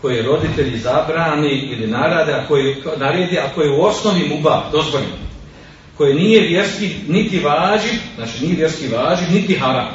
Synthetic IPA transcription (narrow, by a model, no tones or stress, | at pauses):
ko̞jeeɾo̞d̪it̪e̞ʎizabɾaːniilinaɾad̪eako̞jenaɾeːd̪jeakojeuo̞snoʋimubaːd̪ozbolḭ | ko̞jeniːjeʋjeɾskinit̪iʋaːd͡ʒiznaːt͡ʃiniːje̞ʋje̞ɾskiʋaːd͡ʒinit̪iɦaɾa̰ːm